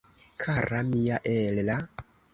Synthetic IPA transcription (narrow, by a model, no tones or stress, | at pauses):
kʰaɾamiaʔella